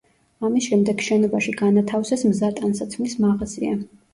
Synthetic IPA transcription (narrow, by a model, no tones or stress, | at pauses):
amisʃɛmd̪ɛɡʃɛnɔbaʃiɡanat̪ʰafsɛsmzat̪ʼansat̪sʰmismaʁzia̰